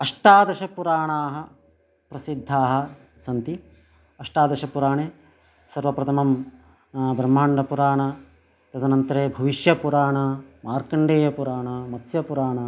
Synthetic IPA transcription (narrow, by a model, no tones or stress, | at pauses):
ɐʂʈaːd̪ɐʃɐpuɾaːɳaːɦɐ | pɾɐsid̪ʱːaːɦɐ̆ | sɐnt̪i | ɐʂʈaːd̪ɐʃɐpuɾaːɳeː | sɐɾʋɐpɾɐt̪ʰɐmɐm | bɾɐmːaːɳɖɐpuɾaːɳɐ | t̪ɐt̪ɐnɐnt̪ɐɾeːbʱɐʋiʃjɐpuɾaːɳɐmaːɾkɐɳɖeːjɐpuɾaːɳɐmɐt̪sjɐpuɾaːɳaː